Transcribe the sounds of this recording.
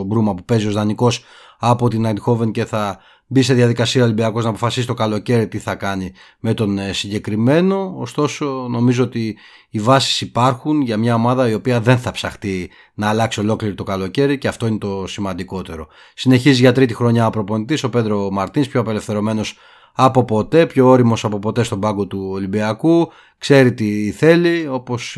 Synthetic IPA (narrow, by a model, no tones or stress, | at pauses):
obɾumɐpupe̞zio̞zðɐniko̞s | ɐpo̞t̪inɐd̪xo̞vence̞θɐ | bise̞ðjɐðikɐsiɐo̞libiɐko̞znɐːpo̞fɐsisi̥t̪o̞kɐlo̞ce̞ɾit̪iθɐkɐni | me̞t̪o̞nsiɲɟe̞kɾime̞no̞ːst̪o̞so̞no̞mizo̞ot̪iː | vɐsi̥sipɐɾxunʝɐmɲɐo̞mɐðɐio̞piɐðe̞nθɐpsɐxt̪i | nɐːlɐksio̞lo̞kliɾit̪o̞kɐlo̞ce̞ɾiceɐft̪o̞ine̞t̪o̞simɐnd̪iko̞t̪e̞ɾo̞ | sine̞çiziʝɐt̪ɾit̪ixɾo̞ɲɐopɾo̞po̞nit̪iso̞ped̪ɾo̞mɐɾt̪inispço̞ɐpe̞le̞fθe̞ɾo̞me̞no̞s | ɐpo̞po̞t̪e̞pço̞oɾimo̞sɐpo̞po̞t̪e̞st̪o̞bɐɡo̞t̪uolimbiɐku | kse̞ɾit̪iθe̞lio̞po̞s